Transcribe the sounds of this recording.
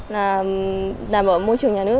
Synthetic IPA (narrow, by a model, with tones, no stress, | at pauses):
laː˨˩ | ɗaː˨˩mɓə̰ː˧˨˩mo˧jt͡ɕɨ˨˩əŋɲaː˨˩ɨ˦˥ə